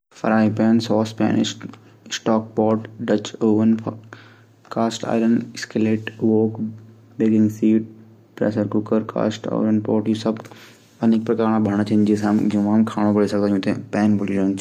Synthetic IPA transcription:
fɐɾaːipɛːnsɔːspɛ̰ːnɪ̰ʃ | sʈɔːk̚pɔːʈɖɐt͡ʃoːʋənpʰ | kaːsʈa̰ːɪləɳɖɪskəleːʈʋoːk | beːɡɪ̃ŋɡsiːʈ̚ | pɾɛ̰ːsəɾkʊkəɾka̰ːsʈa̰ːɪɾənpɔːʈjisɐb | ɐnɪk̚pɾɐkaːɾɳãbʱɐɽ̃t͡ʃ̪ʰind͡ʒesãmd͡ʒũʋãmkʰaːɽ̃õbɐɽisɐɡ̚d̪ãjũːt̪ẽpɛːnbʊɽilõnt͡ʃʰ

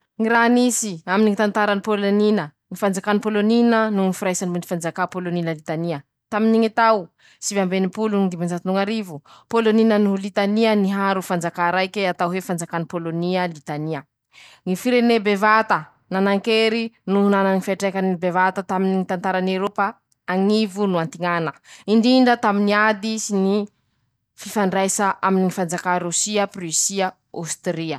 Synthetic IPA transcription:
ŋiɾanisiaminiŋit̪ant̪aɾanipoloninə | ŋifand͡zakanipoloninənuŋifiɾajsanimuni̥fand͡zakapoloninəlit̪aniə | t̪aminiŋit̪aw | sivambenipuluŋid̪imand͡ʒat̪inuŋaɾivupoloninənulit̪aniəniɦaɾufand͡zakaɾajkeat̪awɦefand͡zakanipoloniəlit̪aniə | ŋifiɾenebevat̪ə | nanaŋkeɾinuɦunananifiaʈ͡ʂekanibevat̪at̪aminiŋit̪ant̪aɾaneɾopa | aŋivunuant̪iŋanəiɳɖ͡ʐiɳɖ͡ʐət̪aminiad̪isini | fifaɳɖ͡ʐajsaʔaminiŋifand͡zakaɾusiəprisia | a̰st̪ɾiə

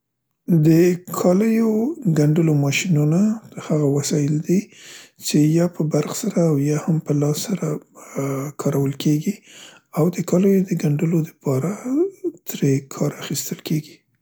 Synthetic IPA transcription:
d̪əkʰɑləjoɡaɳɖəlomɑʃinunahaɣawasɑjɪld̪it͡ʃejɑpəbaɾxsaɾaːwjɑhampəlɑsːaɾa | kʰɑɾawəlkʰeɡi | awd̪əkɑləjod̪əɡaɳɖəlod̪əpɑɾat̪ɾekʰɑɾaxist̪əlkeɡi

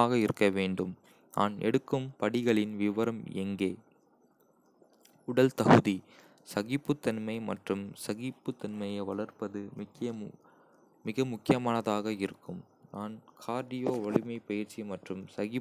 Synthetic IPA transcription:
aːɣɐɪɾɯkːɐʋeːɳɖɯm | na̰ːnɛ̰ɽɯkːɯmpɐɽɪɣɐɭɪnʋɪʋɐɾɐmɛ̰ŋɡeː | ʊɽɐlt̪ɐɣɯði | sɐɣɪpːɯt̪ːɐnmɐɪmɐ̰ʈrɯmsɐɣɪpːɯt̪ːɐnmɐjɐʋɐɭɐɾpɐðɯm | mɪɣɐmʊkːɪjɐmaːnɐðaːɣɐɪɾɯkːɯm | naːnkʰaːɾd̪ɪjoːʋɐɭɪmɐɪpɐjɪɾt͡ʃimɐʈrɯmsɐɣɪ

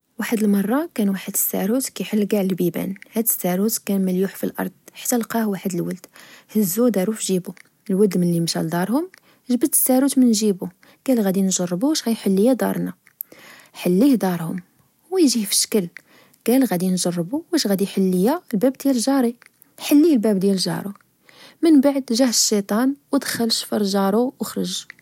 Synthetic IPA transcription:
waħəd̪əlmɑrˤːɑkænwaħəd̪ə̥sːæ̰ɾut̪kæjħəlːɡaʕləlbibæ̰nhæd̪əsːæɾut̪kænməljuħfilʔɑ̰ɾˤd̪̥̚ˤħḁt̪ːælqɑhwaħəd̪əlwəld̪̥həzːud̪ɑɾufʒibu | əlwəld̪mənlimʃæld̪ɑɾˤhʊm | ʒbət̪ə̥sːæɾut̪mənʒibu | ɡ̥ælɣæd̪inʒɑrˤːbuʃɣæjħəlːəjad̪ɑ̰ɾˤna | ħəlːihd̪ɑɾˤhʊm | hwæjʒihfə̥ʃə̥kəl | ɡ̥ælɣæd̪inʒɑrˤːbuwæʃɣæd̪iħəlːəjalbæbd̪jælʒɑɾˤi | ħəlːilbæbd̪jælʒɑ̰ɾˤu | mənbaʕd̪ʒæhəʃːit̪ˤɑnwəd̪xəlʃfəɾˤʒɑɾˤuwəxɾˤəʒ

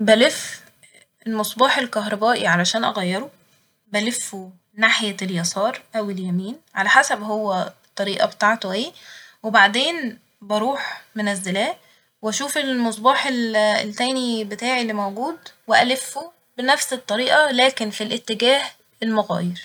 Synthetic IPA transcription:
bælef | elmɑsˤbɑːħelkæɦɾˤɑbæːʔiʕalæʃæːnʔæɣæjːeɾo | bælefːo | naħjæljɑsˤɑːɾˤʔæweljæmiːnʕalæħasæbɦowːæt̪ˤːɑɾiːʔɑbet̪aʕt̪oʔeːwebaʕd̪eːn | bɑɾˤuːħmenæzːælæː | wæʃuːfelmɑsˤbɑːħellt̪æːnibet̪aːʕilːimæwɡuːd̪weʔælefːo | benæfset̪ˤːɑɾiːʔɑlæːkenfilʔet̪ːeɡæːh | elmoɣæ̰ːjeɾ

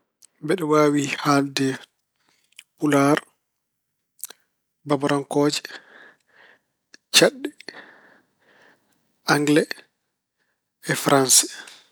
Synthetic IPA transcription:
bɛɗɛwaːwihaldɛ | pulaɾ | babaɾaŋkɔːd͡ʒɛ̥ | t͡ʃaɗːɛ | aŋɡlɛ | ɛfɾansɛ̥

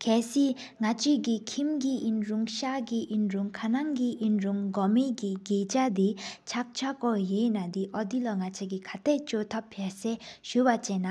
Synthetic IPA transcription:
kʰɛːsi | ŋat͡ɕikikʰimk̬iʔinɹuŋɕaɡiʔinɹuŋkʰanaŋkiʔinɹuŋɡɔmekiɡeːt͡ɕad̪it͡ɕʰak̚t͡ɕʰakɔjenad̪iʔɔd̪ilaŋat͡ɕʰekikʰat̪ʰɛʔt͡ɕot̪ʰapʰːasɛːɕuwat͡ɕɛnːa

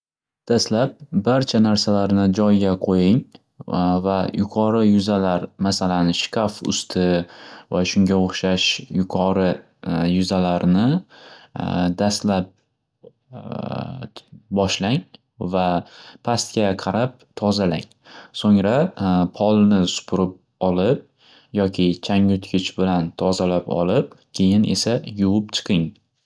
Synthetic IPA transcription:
d̪̥ast̪lap̚baɾt͡ʃʰanaɾsalaɾnɪd͡ʒɒjɡʲaqʰojɪŋ | vajʊqʰɒɾɪjʊzalaɾmasalanɪʃɪ̥kʲʰafʊ̰st̪ʰɪvaʃʊŋɡʲaoχʃaʃjʊqʰɒɾɪ | jʊzalaɾnɪ | d̪ast̪lap̚ | bɒʃlaŋ | vapʰast̪kʲaqʰɑɾap̚t̪ʰɒzalaŋ | soŋɾapʰɒlˠnɪsʊ̥pʰʊɾɪp̚ | ɒlɪp̚ | jɒkʲʰɪt͡ʃʰaŋʊt̪kʰʲɪt͡ʃbɪlant̪ʰɒzalapɒ̰lɪp̚kʲʰe̞jɪnʔe̞̰sajʊwʊp̚t͡ʃʰɨ̥qʰɪŋ

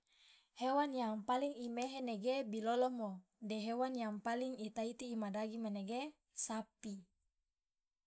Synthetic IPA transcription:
hewanjaŋpaliŋimeɦeneɡebilolomodeɦewanjaŋpaliŋit̪ait̪iːmadaɡimaneɡe | sapi

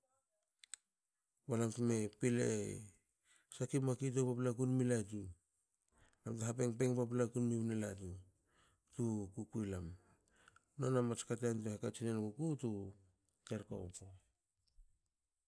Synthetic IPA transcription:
walamkmepilḛ | sakimakit̬opaplakunmilat̬u | namtaɦapeŋpeŋpap̬lakunmipnelatu | tukukujlam | nonamat͡ʃkat̬antuhakat͡ʃinenkukutu | teɾka̰po

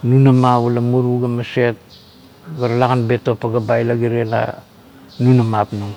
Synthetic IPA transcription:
nunamaβulamuɾuɡamaset̚ | ɡaɾalaɡanbetopaɡabajlaɡiɾena̰ | nunamapnuŋ

